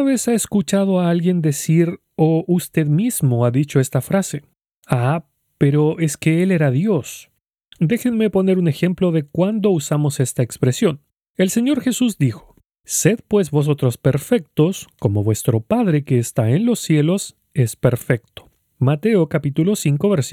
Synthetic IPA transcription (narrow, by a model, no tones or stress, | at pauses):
uaβe̞saeskut͡ʃað̞oaalɣje̞nd̪e̞siɾ | oʔust̪e̞ðmizmo̞aðit͡ʃo̞est̪afɾase | a | pe̞ɾo̞ʔe̞ske̞ele̞ɾaðjo̞s | d̪e̞xenme̞po̞ne̞ɾune̞xe̞mplo̞ðe̞kwand̪o̞usamo̞se̞st̪aekspɾe̞sjo̞n | e̞lseɲo̞ɾxe̞suzd̪ixo̥ | se̞d̪̚pwe̞zβo̞s̬o̞t̪ɾo̞spe̞ɾfe̞k̚t̪osko̞mo̞βwe̞st̪ɾo̞paðɾe̞keːst̪aenlo̞sːje̞lo̞s | espeɾfe̞k̚t̪o̥ | mat̪e̞okapit̪ulo̞siŋko̞βeɾs